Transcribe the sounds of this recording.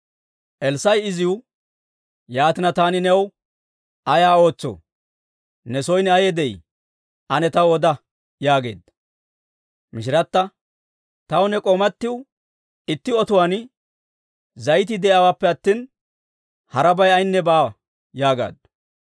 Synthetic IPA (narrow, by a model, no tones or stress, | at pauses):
ʔɛlsɐjɪzɪwʊ | jaːt̪ɪnɐt̪aːnɪnɛw | ʔɐjaːo̞ːt͡sːo̰ː | nɛsɔjnɛɐjɛd̪ɛj | ʔɐnɛt̪ɐwɔd̪ɐ | jaːɡe̞̰ːd̪ | mɪʃɪɾɐt̪ːɐ | t̪ɐwnɛkʼomɐt̪ːɪw | ɪt̪ːɪɔt̪ʊwaːn | zɐjt̪̬ɪd̪ɛʔɐwaːpːɛɐt̪ːiːn | hɐɾɐbɐjɐjnːɛbaː | jaːɡa̰ːd̪